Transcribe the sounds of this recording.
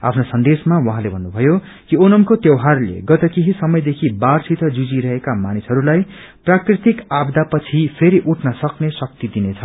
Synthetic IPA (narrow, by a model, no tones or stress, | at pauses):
a̰pʰnosʌnd̪esmawʌɦãlebʱʌnːubʱʌjo | kionʌmkot̪jewɦarlḛɡʌt̪ʌkeɦisʌmʌjd̪ekʰibarsit̪ʌd͡zud͡ziɾʌɦekamanisɦʌɾulaj | prakrit̪ikabd̪apʌt͡sʰipʰeɾiʔuʈʰnʌsʌknesʌk̚t̪id̪inet͡sʰʌ